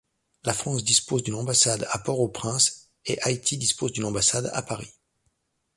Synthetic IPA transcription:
lafχɑ̃sd̪ispozd̪ynɑ̃basad̪a̰pɔʁopχɛ̃s | eʔait̪ʰid̪ispozd̪ynɑ̃basad̪a̰paʁi

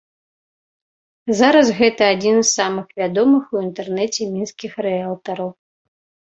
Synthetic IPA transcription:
zaɾɐsɣɛt̪ɐːd͡zʲinsːamɨxvʲad̪ɔmɨxuint̪ɛrnɛt͡sʲɛmʲinskʲixrɛalˠt̪ɐɾɐw

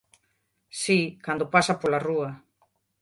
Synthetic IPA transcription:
sikand̪opasapolaruɐ

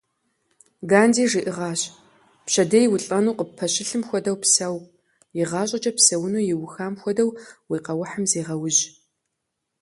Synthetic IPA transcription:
ɡaːndiːʐiʔɨʁɑːɕ | pɕɐdɐjwʊɬʼɐnuːqəpʰɐɕɪɬɨmxʷɔdɐwpsɐw | jɪʁɑːɕʼɐt͡ʃʼɐpsɐwʊnuːjɪwʊxaːmxʷɔdɐwwiːqɐwʊħamzeːʁɐwʊʑ

